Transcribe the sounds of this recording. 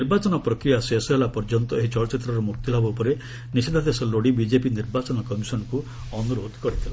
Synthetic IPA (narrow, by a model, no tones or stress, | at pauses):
niɾbat͡ʃɔnɔpɾɔkɾijasesɔelapɔɾd͡ʒɔnt̪ɔet͡ʃɔɭɔt͡ʃit̪ɾɔɾɔmukt̪ilabɔpɔɾe | nised̪ʱad̪esɔloɽibid͡ʒepiniɾbat͡ʃɔnɔkɔmisɔnɔku | ɔnuɾod̪kɔɽit̪ʰila